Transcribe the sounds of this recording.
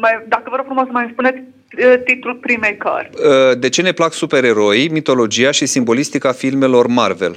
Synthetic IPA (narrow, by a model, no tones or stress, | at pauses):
majd̪akəvəɾoɡfɾumoɡsəmajinspunet̪ʲ | t̪it̪ulpɾimejka̰rʲəd̪e̞t͡ʃe̞ne̞plaksupe̞ɾe̞ɾo̞jmit̪o̞lo̞d͡ʒijaʃisimbo̞list̪ikafilme̞lo̞rmarve̞̰l